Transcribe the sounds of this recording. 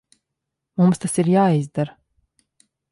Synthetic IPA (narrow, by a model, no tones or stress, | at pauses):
mumst̪asiɾjaːizd̪aɾ